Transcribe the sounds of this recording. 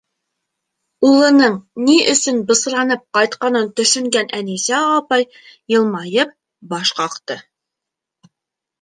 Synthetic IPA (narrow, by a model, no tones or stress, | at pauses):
ulˠɤ̆nɤɴniʔɵ̆sɵnbɤ̆s̆ɾɑnɤp̚qɑjt̪qɑnɤnt̪ɵ̆ʃɵ̆ŋɡænænisæɑpɑj | jɤ̆lˠmɑjɤp̚ | bɑʃqɑqt̪ɤ